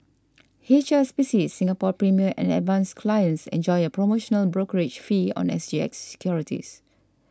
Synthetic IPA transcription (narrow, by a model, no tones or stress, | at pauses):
het͡ʃəspiʃisːĩŋapɔpɹimiəʔɛ̰̃nɛ̰dvãnskʰlajə̃nsɛ̰̃nd͡ʒɔjəpɹomoʃɔ̃nəlbɹokəɹet͡ʃfiɔ̰̃nɛ̰sd͡ʒiɛ̰ksɛ̥kʰjɔɹitʰḭs